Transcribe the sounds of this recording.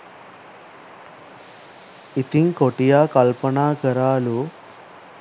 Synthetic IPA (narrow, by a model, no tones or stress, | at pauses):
it̪iŋkoʈijaːkɐlpɐnaːkɐɾaːlu